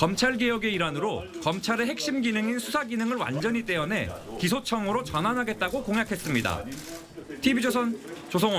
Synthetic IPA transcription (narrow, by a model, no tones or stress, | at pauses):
kʌmt͡ɕʰaɭɡe̞jʌɡe̞iɾanɯɾokʌmt͡ɕʰaɾe̞ɦe̞k̚ɕ͈imɡinɯŋinsʰusʰaɡinɯŋɯɭwa̰nd͡ʑʌɲit͈e̞ʌne̞̰kis̬ʰot͡ɕʰʌŋɯɾot͡ɕʌnanɦaɡe̞t̚t͈aɡokoŋɦjakʰe̞s͈ɯmɲida̰ | tʰibid͡ʑos̬ʰʌnt͡ɕosʰoŋo